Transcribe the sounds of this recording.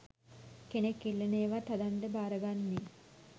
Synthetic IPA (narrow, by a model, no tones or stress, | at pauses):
kenekːilːeneːʋat̪ad̪aɳɖəbaːɾəɡanːi